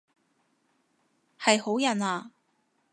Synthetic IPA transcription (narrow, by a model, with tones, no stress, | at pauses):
hɐ˨jho˨˥wjɐ˨naː˧